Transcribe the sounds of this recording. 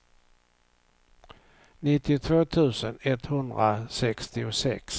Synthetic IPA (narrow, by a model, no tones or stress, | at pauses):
nɪt̪ːɪt̪ʰvoːt̪ʰʉ̟ːsənɛt̪hɵnd̪ɾasɛkst̪ɪʊsɛ̰ks